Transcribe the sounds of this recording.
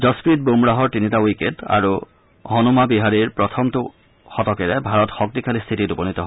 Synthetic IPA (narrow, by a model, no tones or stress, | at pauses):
d͡ʒɔspɹit̚bumɹaɦɔɹtinitawiketa̰ɹu | ɦɔnumabiɦaɹiɹpɹɔtʰɔmtu | xɔtɔkɛɹɛbʱaɹɔtxɔk̚tikʰalist̪ʰititubɔnitɔɦɔ